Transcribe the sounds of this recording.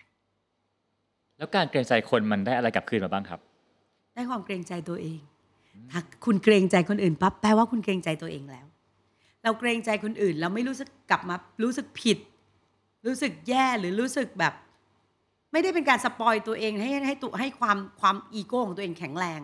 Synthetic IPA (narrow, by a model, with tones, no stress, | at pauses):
lɛː˦˥wkaː˧nkɾeː˧ŋt͡ɕa˧jkʰo˧nma˧ndaː˥˩ja˧ɾa˧jka˨˩p̚ʰɯː˧˩nmaː˨˩baː˥˩ŋkʰɾa˦˥p̚ | d̥aː˥˩jkʰwaː˧mkɾeː˧ŋt͡ɕa˧jt̪u˧ɐʔeː˧ŋ | t̪ʰaː˧˩kʰu˧nkɾeː˧ŋt͡ɕa˧jkʰo˧nʔɯː˨˩npa˦˥pːɛː˧waː˥˩kʰu˧nkɾeː˧ŋt͡ɕa˧jt̪u˧ɐʔeː˧ŋlɛː˦˥w | ɾa˧wkɾeː˧ŋt͡ɕa˧jkʰo˧nʔɯː˨˩nɾa˧wma˥˩jɾuː˦˥sɯ˨˩kːa˨˩p̚maː˧ɾuː˦˥sɯ˨˩k̚pʰi˨˩t̪̚ | ɾuː˦˥sɯ˨˩k̚jɛː˥˩ɾɯː˩˦ɾuː˦˥sɯ˨˩k̚bɛː˨˩p̚ | ma˥˩jda˥˩jpe˧nkaː˧nsa˧pɔː˧jt̪u˧ɐʔeː˧ŋha˥˩jha˥˩jt̪u˧ɦa˥˩jkʰwaː˧mkʰwaː˧mʔiː˧koː˧kʰɔ˨˦ŋt̪u˧eː˧ŋkʰɛ˨˩˦ŋɾɛː˧ŋ